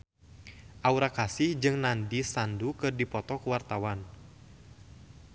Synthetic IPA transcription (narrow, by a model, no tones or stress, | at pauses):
ʔauɾakasihd͡ʒɨŋnandisandukɨrdipɔt̪ɔkuwart̪awan